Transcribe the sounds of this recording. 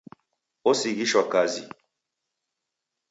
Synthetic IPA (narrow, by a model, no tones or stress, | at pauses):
osiɡiʃwakazḭ